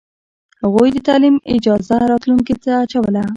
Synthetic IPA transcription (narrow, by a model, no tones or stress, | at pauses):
haɣujd̪ət̪ɑlimɪd͡ʒɑzaɾɑt̪luŋkit̪aːt͡ʃawəla